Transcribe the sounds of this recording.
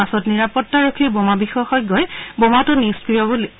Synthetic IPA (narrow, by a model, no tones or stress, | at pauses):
asɔtniɹapɔtːaɹokʰiɹbomabixɔaxɔjɡɔjbomatʊniskɹijɔbol